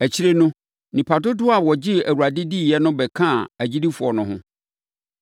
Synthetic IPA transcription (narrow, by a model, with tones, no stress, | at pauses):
æ˨t͡ɕʰi˦ɾe˦nʊ̃˦ | nĩ˨pʰa˨dʊ˦dʊ˦a˨wɔ˨d͡ʑɪ˦æ˨wu˨ɾa˨dɪ˦di˦˨jɛ˦nʊ̃˦bɛ˨kʰã˦˨æ˨d͡ʑi˦di˦fʊ˨ɔ˨nʊ̃˨ɦʊ̰̃˦